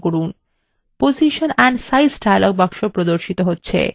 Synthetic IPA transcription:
koɾun | poziʃonɛɳɖsajsʈajlɔɡ̚bakʃopɾod̪oɾʃit̪oɦotːɕʰḛ

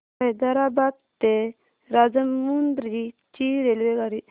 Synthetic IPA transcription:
ed̪ɐɾabab̚t̪e | ɾad͡zəmːund̪ɾit͡ʃiɾelʋeɡaɾi

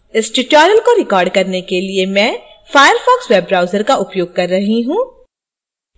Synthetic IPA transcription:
ɪsʈuʈɔːɾəlkoɾɪkɔːɾɖkɐɾnekeliemɛ̃ː | faːjəɾfɔːksweːbɾaːʊzəɾkaʔʊpjoːɡ̚kɐɾːɐɦiɦũː

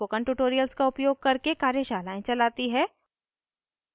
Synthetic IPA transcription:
okɐ̃ɳʈuʈoːɾijəlskaʊpjoːɡ̚kɐɾkekaːɾjəʃaːlaːẽt͡ʃɐlaːt̪iɦɛː

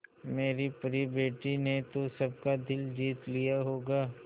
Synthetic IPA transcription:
meːɾipɐɾibeːʈinet̪osɐb̚kad̪ɪld͡ʒiːt̪lijaɦoːɡaː

